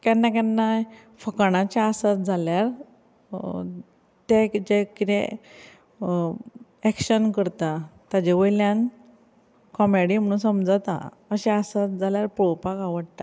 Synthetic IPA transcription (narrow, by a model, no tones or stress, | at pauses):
kjanːakanːa | fəkɽ̃ãt͡ɕaːsat̪̚d͡zʱaljaɾ | t̪ed͡ʑekit̪ɛ̃ | ɛkɕənkəɾt̪at̪ad͡ʑeʋəjljãn | kɔmeɽim̤əɽ̃ũːsəmd͡zat̪a̰ | əɕɛasat̪̚d͡zʱaljaɾpɾopakaʋəɽt̪a